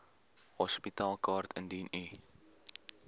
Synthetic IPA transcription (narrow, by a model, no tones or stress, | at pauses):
hɔspitɑːlˠkɑːrtʰəndini